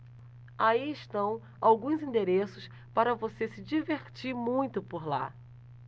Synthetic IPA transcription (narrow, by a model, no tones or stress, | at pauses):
aiɪʃt̪ɐ̃w̃ | awɡũzĩnd̪eɾesʊs | paɾɐvosesɪd͡ʒiveɾt͡ʃiɾmũj̃t̪ʊpoɾla̰